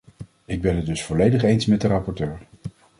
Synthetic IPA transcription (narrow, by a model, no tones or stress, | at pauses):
ɪɡ̚bɛnɦəd̚dɵsfɔlejdəχejnsmɛt̚dərɑpɔɹtøːɹ